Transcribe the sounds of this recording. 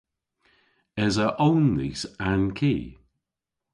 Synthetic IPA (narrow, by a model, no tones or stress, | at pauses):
ɛzəʔownlḭsankʰiː